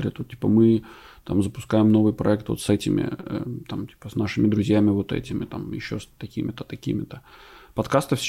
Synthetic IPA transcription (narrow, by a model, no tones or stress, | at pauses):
ɾʲɪ̰t̪ot̪tʲi̥pəmɨ | t̪amzəpʊ̥skajɪmno̞vɨjpɾɐɛk̚t̪vo̰t̪sɛtʲɪmʲɪ̰ə̰t̪amtʲi̥pə̥snaʂɨmʲɪd̪ɾʊzʲjæmʲɪvo̞t̪ɛ̰tʲɪmʲɪt̪amjɪ̰ɕːost̪ɐkʲimʲɪt̪ət̪ɐkʲḭmʲɪt̪əpɐt̪kast̪əfsʲ